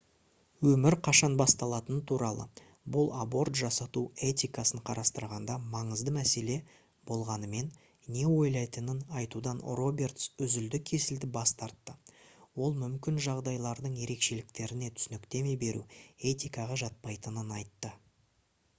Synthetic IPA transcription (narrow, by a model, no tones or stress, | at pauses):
wɵmɪɾqʰɑʃɑnbɑst̪ɑlˠɑt̪ənt̪ʰuɾɑlˠə̰ | bʊlˠabo̞rt̪ʒɑsɑt̪ue̞t̪ʲijkɑsəɴqʰɑɾɑst̪əɾʁɑnd̪ɑmɑɴəzd̪əmæse̞le̞ | b̥o̞lˠʁɑnəme̞n | ne̞wo̞jlˠɑjt̪ənənɑjt̪ud̪ɑnro̞bʲe̞rt̪sʏzʏld̪ɪkʲʰe̞sɪld̪ɪbɑst̪ɑɾt̪ːəwo̞lˠmʏmkʲɪnʒɑʁd̪ɑjlˠɑɾd̪əɴje̞ɾe̞kʃe̞lɪk̚t̪e̞ɾɪne̞t̪ʰʏ̥sɪnɪkt̪e̞me̞be̞ɾṵe̞t̪ijkɑʁɑʒɑt̪̚pɑjt̪ənənɑjt̪ːə